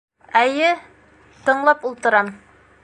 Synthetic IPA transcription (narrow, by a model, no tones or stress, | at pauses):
æjɘ | t̪ɤ̆ɴlˠɑpulˠt̪ɤ̆ɾɑm